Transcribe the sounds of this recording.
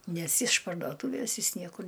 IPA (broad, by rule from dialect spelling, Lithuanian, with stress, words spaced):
ˈnʲɛs ɪʃ pɐrdoːˈtuːʋʲeːs ˈjɪs ˈnʲiɛkʊr